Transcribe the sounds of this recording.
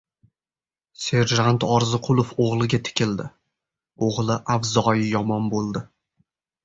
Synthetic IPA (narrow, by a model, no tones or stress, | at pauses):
se̞ɾʒant̪ɒɾzɪqʰʊlˠofoʁlˠɪɡʲat̪ʰɪ̥kʲʰɪld̪ɪ | oʁlˠɪʔavzɒjɪjɒmɒnbolˠd̪ɪ